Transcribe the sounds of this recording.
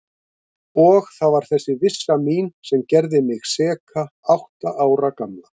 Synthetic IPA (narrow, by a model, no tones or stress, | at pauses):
ɔɣθaðvaɾ̥θɛsːɪvɪsːamiːnsɛmcɛɾðɪmɪɣsɛːkʰaawht̪aʔaːwɾakamla